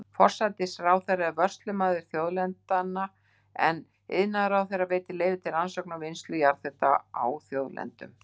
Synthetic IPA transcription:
fɔr̥sat̪ɪsraːwθejrːaɛvœr̥st̪lʏmaːðʏɾ̥θjowðlɛnt̪anːa | ɛ̰n | ɪ̰ðnaðɾawθejɾːaveːjt̪ɪlejvɪt̪ʰɪlansowknawvɪnst̪lʏjaɾθɛht̪a̰a̰wθjoːwðlɛ̰nt̪ʏ̰m

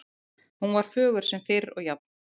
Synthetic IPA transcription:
hunvaɾ̥fœːɣʏɾ̥sɛmfɪɾɾɔ̰ɣjapn

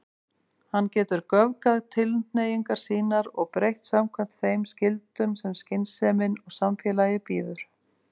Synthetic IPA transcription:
hanːcɛːt̪ʏɾkœvkaðt̪ʰɪlnejiŋkaɾ̥siːnaɾɔɣpɾejht̪samkʰvɛm̥t̪θejmscɪlt̪ʏmsɛmscɪnsɛːmɪnɔɣsamfjɛːlajɪpiːðʏɾ̥

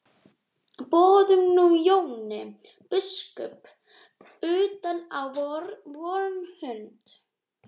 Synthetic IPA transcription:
pɔːðʏmnujownɪ | pɪskœ̰p | ʏːt̪anawvɔɾvɔɾnhʏnt̪

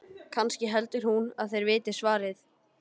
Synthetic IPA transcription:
kʰanscɪɦɛlt̪ʏɾ̥hunaðθejɾvɪːt̪ɪ̥svaːɾɪθ

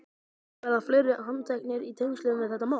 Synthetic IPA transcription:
vɛɾðaflejɾʏɦant̪ʰajknɪɾit̪ʰeŋʏsʏːðʏnɛθɛht̪ːamaː

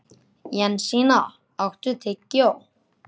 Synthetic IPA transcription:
janɕina | ɑk̚ʈ͡ʂut̪ʰekoʔ

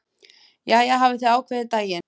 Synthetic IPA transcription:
jaːjɛɣɦaːvɪθiaːwkʰvɛðɪt̪aːjɪ

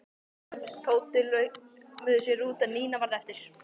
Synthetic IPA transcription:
t̪ʰoːwt̪ɪlœɥ | mʏːðʏsjɛɾuːt̪aniːnavaɾðɛft̪ɪɾ̥

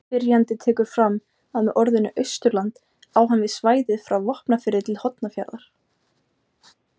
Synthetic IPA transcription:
ɪɾjant̪ɪt̪ʰɛːkʏɾ̥fɾamː | aðmɛʔɔɾðʏnːʏʔœɥst̪ʏɾlant̪ | awɦanvɪðsvaːjðɪðfɾawvɔhpnafɪɾːɪt̪ʰɪlhɔt̪nafja̰ɾðaɾ̥

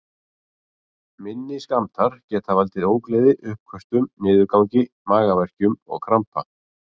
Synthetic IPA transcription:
mɪnːɪskamt̪ʰaɾ̥cɛːt̪ʰavalt̪ɪɾoːwklejðɪʔʏhp̚kʰvœst̪ʏmːɪːðʏɾkawɲcɪ | maːɣavɛr̥cʏmɔ̰ɣkʰɾampa̰

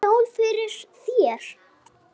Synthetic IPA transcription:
owlfɪɾɪɾ̥θjɛːɾ̥

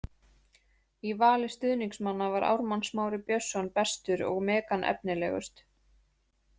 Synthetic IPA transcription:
ivaːlɪst̪ʏðniŋksmanːavaɾʔa̰wɾmansmaːwɾɪpjœsːɔnpɛst̪ʏɾɔ̰ɣmɛːkanʔɛ̰p̚nɪlɛ̰ːɣʏ̰st̪

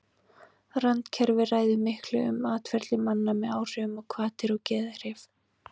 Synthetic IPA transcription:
rant̪cʰɛɾvɪraːjðɪmɪhklʏʏ̰maːt̪fɛɾt̪lɪmanːamɛðaːwr̥ʏʏmɔkʰvaːt̪ɪɾɔcɛːðaɾ̥ɪf

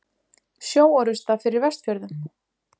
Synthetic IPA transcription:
sjoːwɔɾʏst̪afɪɾɪɾvɛst̪fjœɾðʏm

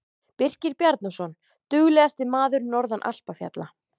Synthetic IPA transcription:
pɪr̥cɪɾpjaɾt̪nasɔn | t̪ʏɣlɛːɣast̪ɪmaːðʏɾnɔɾðanʔa̰l̥pafja̰t̪la

